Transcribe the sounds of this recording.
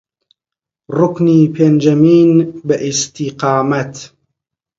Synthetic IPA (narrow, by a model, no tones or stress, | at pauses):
ɾˤʊkniːpend͡ʒamiːnbɪʔɪst̪ɪqɑːmat̪